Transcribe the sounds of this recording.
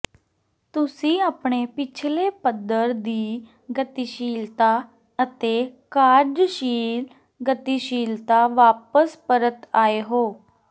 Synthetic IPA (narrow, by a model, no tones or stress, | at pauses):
t̪ʊsĩːaːpɳeːpɪt͡ʃʰleːpəd̪əɾd̪iː | ɡət̪iːʃiːlt̪aː | ət̪eːkaːɾɖʃiːl | ɡət̪iːʃiːlt̪aːʋaːpəspəɾət̪aːeːɦoː